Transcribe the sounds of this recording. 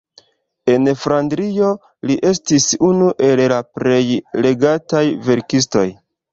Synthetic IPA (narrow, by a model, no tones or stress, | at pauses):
e̞nfɾandɾijo̞ | liʔe̞stisunuʔe̞llapɾe̞jle̞ɡatajve̞ɾkis̬to̞̰j